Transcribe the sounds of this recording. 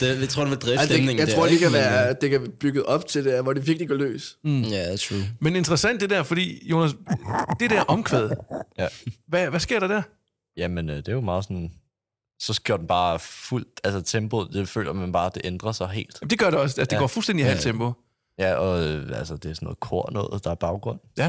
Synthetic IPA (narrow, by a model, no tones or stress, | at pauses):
d̥et͡sʰʁo̰deʋeld̥ʁɛsemneŋjäɪt͡sʰʁo̝ɐ̰d̥ekʰæʋæːɐd̥e̝kʰæb̥yɡ̥ð̩ˠɒ̽b̥̚t͡sʰe̝ld̥eɐʋɒɾeʋiɐɡ̥liɡɒlø̰ːsæt͡sʰumene̝nd̥ʁɐsæn̰d̥d̥e̝dæɐfɒ̽d̥ḭːjo̝ːnæsd̥e̝dɾæɐʔɒ̽mkʰʋeð̞̩ˠjæʋæʋæsɡ̥e̝ɐɾ̥ɑ̈d̥æɐ | jæmenød̥e̝jomɑ̈ːð̩ˠsɒ̽n | sɒ̽ɡ̥jo̰d̥en̩b̥ɑ̈ːful̰d̥ælsət͡sʰemb̥oðˠd̥e̝fø̰ːlʔɐmænb̥ɑ̈ːd̥e̝ʔend̥ʁɐsɑ̈ɪɦe̝̰ːld̥d̥e̝ɡ̥ɶɐɾe̝ɒ̽s̬æsəd̥eɡɒ̰ːfulsden̰diɦælt͡sʰemb̥o | jæɒ̽øælsəd̥e̝æɐsɔnːɔ̽ð̩ˠkʰɔɐ̰nɔ̽ːð̩ˠd̥ɑ̈æɐb̥ɑ̈ʊɡ̥ʁɔ̽n̰j